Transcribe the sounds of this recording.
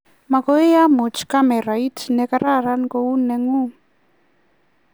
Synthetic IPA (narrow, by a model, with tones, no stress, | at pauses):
ma˨kɔ˦i˦ja˦mo˨t͡ʃka˦mɛ˨ɾaitnɛ˨ka˦ɾa˦ɾa˦nkou˦nɛ˨ŋu˦